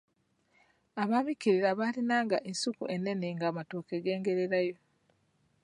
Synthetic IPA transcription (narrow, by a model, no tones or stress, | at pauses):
aβaːmikiɾiɾaβaːlinaːŋɡaʔensukṵʔe̞nːe̞neŋɡaːmatokeɡe̞ːŋɡe̞ɾe̞ɾajo̞